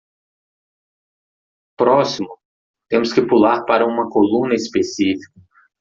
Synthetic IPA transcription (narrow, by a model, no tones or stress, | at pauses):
pɾɔsimʊ | t̪ẽmʊskɪpulaɾpaɾɐũmɐkolũnɐispesifi̥kɐ